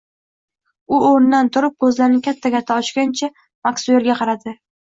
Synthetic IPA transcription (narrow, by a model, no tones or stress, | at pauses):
ʊoɾnd̪ant̪ʰʊɾɪp̚kʰɵzlaɾɪnɪkʲʰat̪ʰːaɡʲaɾt̪ʰaɒt͡ʃɡʲant͡ʃʰa | maksue̞ɾɡʲaqʰɑɾad̪ɪ